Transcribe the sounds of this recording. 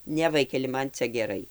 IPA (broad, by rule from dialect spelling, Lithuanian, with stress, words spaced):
ˈnʲɛ ˈʋɐɪkʲɛlʲɪ ˈmɐn ˈt͡sʲɛ ɡʲɛˈrɐɪ